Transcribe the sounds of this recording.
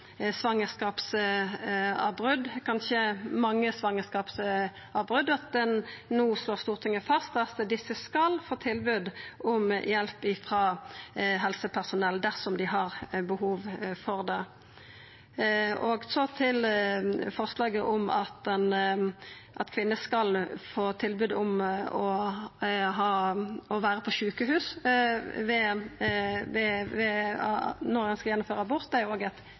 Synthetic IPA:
sʋɑŋːəskɑːps | ɑbʁʉd̪kʰɑnʃəmɑŋːəsʋɑŋəskɑːps | ʔɑbʁʉd̪ɑt̪̚d̪ɛnːuːsloːʁst̪uːʁt̪ʰɪŋːəfɑst̪ɑt̪d̪ɪsːəskɑlfoːt̪ʰɪlbʉd̪ʔɔmjɛlpɪfʁɑːɦɛlsəpʰæʁsʊnɛld̪æʁsɔmd̪ɪɦɑʁbəhuːʋfɔʁd̪ɛ | oːɡsɔt̪ʰɪl | fɔʁslɑːɡəʔɔmɑ̰t̪ɛn | ʔɑt̪kʰʋɪnːəskɑlfoːt̪ʰɪlbʉːd̪ʊmɔ | ɦɑːɔʋæːɾəpʰɔʃʉːkəɦʉːs | ʋɛ | ʋɛʋɛ | nɔʁɛnskɑjɛnːʊmføːʁəbʊʁt̪̚d̪æjʊoːɡæt̪

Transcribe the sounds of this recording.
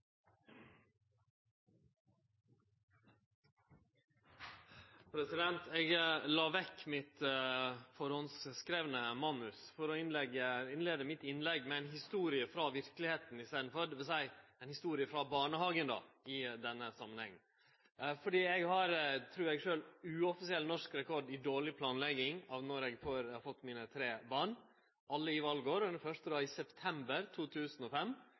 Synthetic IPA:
pʰɾɛsɪd̪ɛnt̪eːɡlɑːʋɛkːmɪt̪ | fɔɾhɔnsskɾeːʋənəmɑnʉsfɔɾɔɪnlɛɡːəɪnleːd̪əmɪt̪ɪnlɛɡːmɛæɪnɦɪst̪uːɾɪəfɾɑʋɪɾklɪheːt̪n̩ɪst̪eːd̪n̩fɔɾʋɛsæɪɛɪnhɪst̪uːɾɪəfɾɑbɑːɳəɦɑːɡənd̪ɑ̰ːɪd̪ɛnːəsɑmːənhɛ̰ŋːn̩ | fɔɖiːɛɡhɑɾt̪ʰɾʉːɾɛɡʂøːlʉːɔfɪsɪɛlnɔʂkɾɛkʰɔɖɪd̪oːɭɪpʰlɑːnlɛɡːɪŋɑːʋnɔɾɛɡfoɾfɔt̪ːmiːnət̪ʰɾeːbɑːɳ | ʔɑlːəɪʋɑlɡoːɾɔʉfœʂt̪əd̪ɑːɪsɛpt̪ʰɛmbəɾt̪ʰuːt̪ʰʉːsənɔfɛm

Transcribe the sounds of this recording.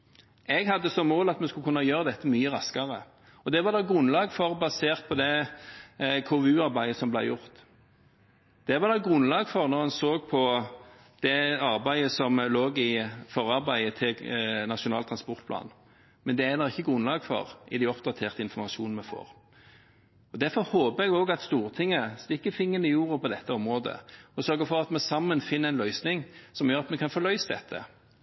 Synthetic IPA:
ɛɡhɑd̪ːəsɔmːoːlɑt̪mɛnskʉkʰʉnːɑjøːʁəd̪ɛt̪ːəmyːəʁɑskɑʁə | ɔd̪ɛʋɑʁd̪ɑɡʁʉnlɑːɡfɔʁbɑseːʁt̪̚pʰɔd̪ɛ | kʰoːʉːɑʁbæɪəsɔmblæɪjʊʁt̪ | d̪̥ɛʋɑʁd̪ɑɡʁʉnlɑːɡfɔʁnɔʁhɑnsoːɡ̚pʰɔ | d̪̥ɛɑʁbæɪəsɔmloːɡɪfɔʁɑʁbæɪət̪ʰɪlnɑʂʊnɑːlt̪ʰʁɑnspɔɾt̪̚pʰlɑ̰ːn | mɛnd̪ɛænɔɪçːəɡʁʉnlɑːɡfɔ̰ʁɪd̪æɪɔpd̪ɑt̪ʰeːʁt̪əɪnfɔʁmɑʂuːnn̩mɛfo̰ːʁ | ɔd̪æɾfɔɾhoːpəɾɛɡoːɡɑt̪st̪uːʁt̪ʰɪŋːəst̪ɪkːəfɪŋːənəjuːʁəpʰɔd̪ɛt̪ːəɔmʁoːd̪ə̰ɔsœʁɡəfɔʁɑt̪mɛsɑmːənfɪnːəɛɪnlœʏsnɪŋsɔmjœɾʁɑt̪mɛkʰɑnfɔlœʏsəd̪ɛ̰t̪ʰːə̰

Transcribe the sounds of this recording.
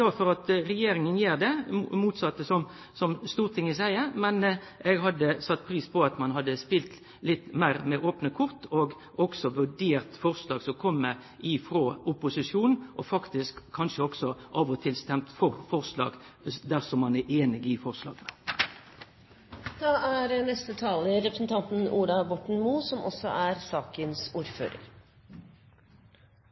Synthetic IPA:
ɑfɔɾɑt̪ɾɛjeːɾɪŋənjeːɾd̪ɛmuːt̪sɑt̪ːəsɔm | sɔmst̪uːɾt̪ʰɪŋːɪsæɪəmɛnɛɡɦɑd̪ːəsɑt̪ːpʰɾiːspʰɔɑt̪mɑnɦɑd̪ːəspɪlt̪ | lɪt̪ːmæɪɾmɛʔoːpnəkʰʊʁt̪oɡ | ɔɡsɔʋʉɖeːɾt̪fɔɾslɑːɡsɔmkʰɔmːə | ʔɪfɾoːʊpʊsɪʂjuːnn̩ʔɔfɑkt̪ɪskʰːɑnʂəɔɡsɔʔɑːʋɔt̪ʰɪlst̪ɛmt̪fɔɾfɔʁslɑ̰ːɡd̪æʁsɔmːɑnæeːnɪɡɪfɔʁslɑ̰ːɡənə | d̪̥ɑːæɾnɛst̪ət̪ʰɑːləɾɛpɾəsn̩t̪ʰɑnt̪n̩ʔuːɖ̪ɑbɔʈɳ̩muːsɔmʔɔ̰sːɔ̰ʔæɾsɑːkənsuːɾfø̰ːɾə̰ɾ

